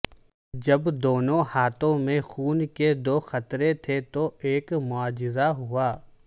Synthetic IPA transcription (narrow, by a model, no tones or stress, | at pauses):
d͡ʒɐbd̪oːnõhaːt̪õmẽxuːnked̪oːxɐt̪ɾet̪ʰet̪oeːkmʊaːd͡ʒɪzaɦʊaː